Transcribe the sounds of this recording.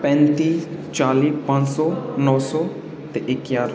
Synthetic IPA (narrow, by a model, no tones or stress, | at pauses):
pɛ̃nt̪iːt͡ʃaːliːpãnsɔnɔːsɔ | t̪eʔekjaːɾ